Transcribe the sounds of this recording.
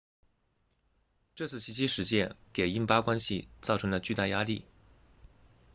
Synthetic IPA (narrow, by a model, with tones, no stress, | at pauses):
ʈ͡ʂɤ˥˧t͡sʰɹ̩˥˩ɕi˧˥t͡ɕi˥ʂɻ̩˧˥t͡ɕjɛ˥˩nke˨˩ɪi˥npa˥kwa˥nɕi˨t͡sɑ˥˩ʊʈ͡ʂʰɤ˧˥ŋlə˧t͡ɕy˥˧t̪a˥˩ja˥li˥˩